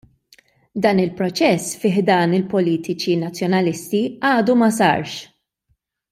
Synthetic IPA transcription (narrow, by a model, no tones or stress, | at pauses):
d̪ɐːnɪlpɾɔt͡ʃɛsfɪːħd̪ɐːnɪlpɔliːt̪ɪt͡ʃinɐt͡sːjɔnɐlɪst̪iʔɐːd̪umɐs̬ɐ̰ːɾʃ